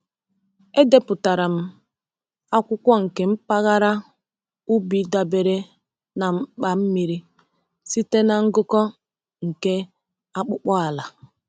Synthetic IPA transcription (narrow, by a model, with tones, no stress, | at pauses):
e˦de˦pʊ˨ta˨ɾa˨m̩˦ | a˦kʷʊ˦kʷɔ˦ŋ̩˨ke˨m̩˦pa˦ɣa˦ɾa˦ | u˦bi˨da˨be˨ɾe˦ | na˨m̩˦k͡pa˨m̩˦mi˨ɾi˦ | si˦te˦na˨ŋ̩˦ɡʊ˦kɔ˦ | ŋ̩˨ke˦ | a˦k͡pʊ˦k͡pɔ˦a˨la˨